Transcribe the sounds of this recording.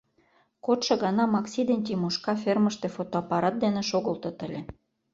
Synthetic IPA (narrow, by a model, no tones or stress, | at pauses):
kot̪ʃɤ̆ɣɑnɑmɑksʲid̪enʲt̪̬ʲimuʃkɑferməʃt̪efot̪oɑpɑɾɑt̪̚d̪enĕʃoɣɤ̆lt̪ŏt̪ə̆lʲĕ